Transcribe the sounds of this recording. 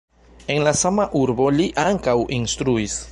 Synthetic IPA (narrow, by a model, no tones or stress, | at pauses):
e̞nlasamaʔuɾbo̞liʔaŋkawʔinst̪ɾuis